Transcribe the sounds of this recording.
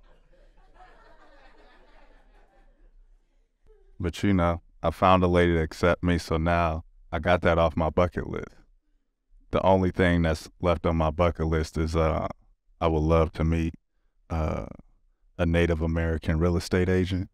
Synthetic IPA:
b̥ʌt͡ʃʰʉno | ʔaɪ̥fãʊ̃ndəleɪɾiɾɨːksɛp̚t̚misoʊnaʊ | aɪɡɑt̪̚ðɨɾɔfmaɪbʌkɨ̰ʔˡlɪ̰st | ðḭʔõʊ̃nliθɪ̃ŋðɨtslɛftn̩maɪbʌkɨtˡlɪstɨzʌ | ʔaɪwədˡlʌv̥tʰɨmiɾ | ʔʌ̰ | ɨneɪɾɨvəmɛɹɨkʰɨ̃nɹɪlˠəsteɪɾeɪd͡ʒɨ̃nt̚

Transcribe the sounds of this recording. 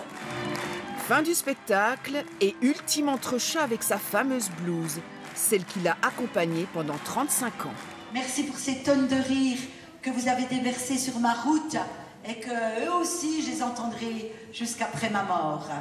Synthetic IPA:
fɛ̃d̪yspɛk̚t̪aklɛylt̪imɑ̃t̪χəʃaavɛksafamøzbluz | sɛlkʲilaʔakɔ̃paɲepɑ̃d̪ɑ̃t̪χɑ̃t̪sɛ̃kʰɑ̰̃ | mɛʁsipuʁset̪ɔnd̪əʁiːʁ | kəvuzaved̪evɛʁsesyʁmaʁut̪ | ekəøosiʒezɑ̃t̪ɑ̃d̪ʁe | ʒ̥yskapχɛmamɔːʁ

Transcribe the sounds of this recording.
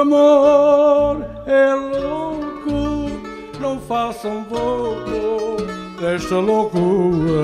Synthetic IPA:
ɐmo | ɾ | ɛloku | nɐ̃w̃fasɐũvoku | d̪ɛʃt̪ɐlˠokuɾɐ

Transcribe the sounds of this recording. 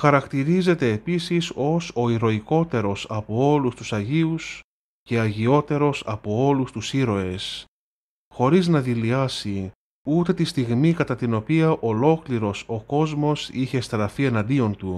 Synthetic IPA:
xɐɾɐkt̪iɾize̞t̪e̞ːpisiso̞so̞iɾo̞iko̞t̪e̞ɾo̞sɐpoo̞lust̪usɐʝius | ce̞ɐʝio̞t̪e̞ɾo̞sɐpo̞o̞lust̪usiɾo̞e̞s | xo̞ɾiznɐðiliɐsi | ut̪e̞t̪ist̪iɣmikɐt̪ɐt̪ino̞piɐʔo̞lo̞kliɾo̞so̞ko̞zmo̞siçe̞st̪ɾɐfie̞nɐnd̪io̞nt̪u

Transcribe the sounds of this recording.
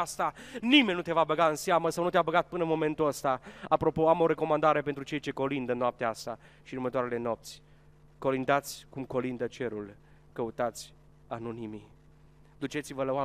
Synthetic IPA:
ast̪anime̞nʲnut̪evabəɡaɨnseaməsawnut̪eabəɡat̪̚pɨnənmo̞me̞nt̪uəst̪aapɾo̞po̞amo̞ɾe̞ko̞mand̪aɾe̞pent̪ɾut͡ʃe̞jt͡ʃe̞ko̞lind̪ənːoap̚t̪eaast̪a | ʃiumət̪oaɾe̞le̞no̞p̚t̪sʲ | ko̞lind̪at̪sʲkumko̞lind̪ət͡ʃe̞ɾul | kəut̪at̪sʲ | anonimi | d̪ut͡ʃet̪sivəlaowa

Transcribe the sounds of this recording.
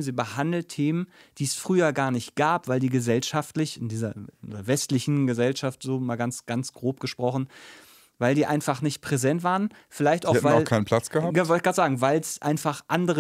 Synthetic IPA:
nziːbəhandl̩tʰeːmənd̥iːɛsfʁ̥yːɐɡaːɐnɪçt̚ɡ̥aːpvaɪldiːɡəzɛlʃaftlɪçɪndiːzɐndiːɐvɛstlɪçn̩ɡəzɛlʃaftz̥oːmaːlɡant͡sɡ̥ant͡sɡ̥ʁoːp̚ɡ̥əʃpʁ̥ɔχn̩ | vaɪldiːʔaɪnfaχnɪçt̚pʁ̥ezɛntv̥aːʁən | fɪlaɪçtʔaʊɛvaɪlkʰaɪn̩pʰl̥at͡sɡ̥əhaaɡvvɔltɪçɡ̥aːtz̥aːɡŋ̩vaɪlsʔa̰ɪnfaχʔandəʁə

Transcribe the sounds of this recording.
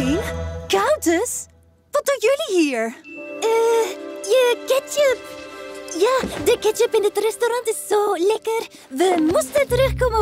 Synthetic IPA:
ikawntəs | vɔt̚dujəlihiːɹə | jəkɛtəp | jaːdəkɛtəpɪnətrɛstoɾɑntɪsːoːlɛkər | ʋəmustəntəɾɵχkomə

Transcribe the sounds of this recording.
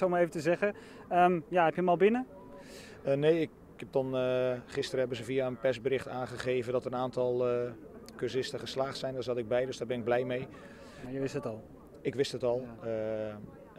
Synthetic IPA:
somaɹejvətəzɛɣə | əmjaɦɛpjəəmɔlˠbɪnə | ənejɪk | hɛp̚dɔnəχɪstəɾəɦɛbənzəviaənpɛsbəɾɪχtaːnχəχeːvəndɔtəənaːntɔlˠ | køzɪstəχəslaːχtsɛjndɔzɑlˠɪɡ̚bɛjdøsdaːrbɪnɪɡ̚blɛjmej | majəɪstətɔlˠ | ɪkʋɪstətɔlˠə

